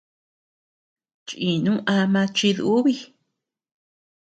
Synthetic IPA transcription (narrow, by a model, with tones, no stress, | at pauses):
t͡ʃĩ˨nũ˦ʔa˧mã˧t͡ʃi˧ðu˦βi˦˧